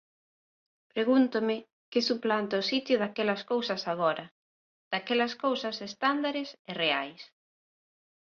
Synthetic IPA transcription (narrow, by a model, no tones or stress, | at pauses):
pɾeɣunt̪ʊmɪ | kɪsuplant̪aʊsit̪jʊðakɛlɐskowsɐsaɣ̞ɔɾɐ | d̪̥akɛlɐskowsɐsest̪and̪aɾɪsɪreajs